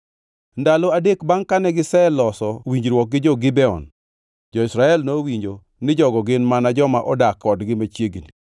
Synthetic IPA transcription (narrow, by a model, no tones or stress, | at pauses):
ndaloadekbaŋkanɛɡɪsɛlɔsɔwiɲd͡ʒɾwɔk̚ɡɪd͡ʒɔɡɪbɛɔ̰n | d͡ʒɔɪsɾaɛlnowiɲd͡ʒo | nɪd͡ʒɔɡɔɡɪnmanad͡ʒɔmaʔɔdakːɔdɡɪmat͡ʃjeɡni